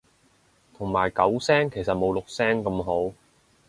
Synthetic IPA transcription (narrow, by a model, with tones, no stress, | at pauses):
t̪ʰʊ˨˩ŋmaː˨˩jkɐ˨˥wsɛː˥ŋkʰe˨˩jsɐ˨t̚mo˨˧wlʊ˨k̚sɛː˥ŋkɐ˧mɦo˨˥w